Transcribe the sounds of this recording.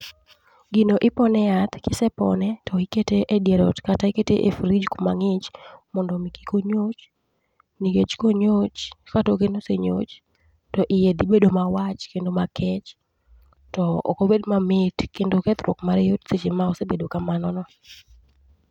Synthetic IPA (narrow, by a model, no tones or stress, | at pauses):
ɡinoʔɪpɔnɛat̪kɪsɛpɔ̰nɛtɔiketeʔedjeɾɔtkataiketeʔefɾid͡ʒkomaŋɪt͡ʃmɔndɔmiki̥koɲot͡ʃ | niket͡ʃkoɲot͡ʃkatokenoseɲo̰t͡ʃ | tɔʔɪjed̪ɪbedomawat͡ʃkendomakɛt͡ʃ | tɔɔ̰kobedmamɪtkendokɛt̪ɾwɔ̰kmaɾejotset͡ʃemaɔsebedokamanɔnɔ